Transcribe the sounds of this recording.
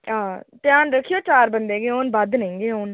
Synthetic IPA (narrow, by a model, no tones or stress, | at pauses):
ãːtɪjaːnɾəkʰːijoːt͡ʃaːɾbənd̪eːɡeːoːnbəd̪nəĩːɡeːoːn